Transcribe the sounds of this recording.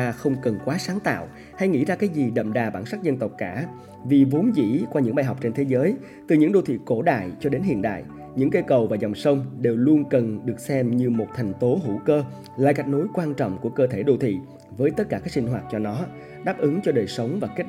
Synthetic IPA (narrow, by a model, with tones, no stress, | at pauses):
aː˧xə˧wŋ͡mkə˨˩nkwaː˨˦saː˨˦ŋt̪a̰ː˧˨w | ha˧jŋḭ˧˥zaː˧kaː˨˦jzi˨˩ɗə̰˧˨mɗaː˨˩ɓaː˧˩nsa˦˥k̚zə˧nt̪ə˨˩wk͡p̚kaː˧˩ | vi˨˩vo˨˦nzḭ˧˥kwaː˧ɲɨ̰˧˥ŋɓaː˧jɦɔ˨˩wk͡p̚t͡ɕe˧nt̪ʰe˨˦zəː˨˦j | t̪ɨ˨˩ɲɨ̰˧˥ŋɗo˧˩t̪ʰḭ˧˨ko˧˩ɗa̰ː˧˨jt͡ɕɔ˧ɗe˨˦nhḭ˧˨ənɗa̰ː˧˨j | ɲɨ̰˧˥ŋkə˧kə˨˩wvaː˨˩zɔ˨˩wŋ͡msə˧wŋ͡mɗe˨˩wlu˧ənkə˨˩nɗɨ˨˩ək̚sɛ˧mɲɨ˧mo˨˩t̚t̪ʰɛ˨˩jŋ̟t̪o˨˦ɦṵ˧˩kəː˧ | la̰ː˧˨ka˨˩jk̚no˨˦jkwaː˧nt͡ɕɔ̰˧˨wŋ͡mku˧˩əkəː˧t̪ʰe˧˩ɗo˧˩t̪ʰḭ˧˨ | vəː˨˦jt̪ə˦˥t̚kaː˧˩kaː˦˥k̚si˧ŋ̟ɦwaː˨˩t̚t͡ɕɔ˧nɔ˨˦ | ɗaː˦˥p̚ʔɨ˨˦ŋt͡ɕɔ˧ɗəː˨˩jsə˨˦wŋ͡mvaː˨˩ke˦˥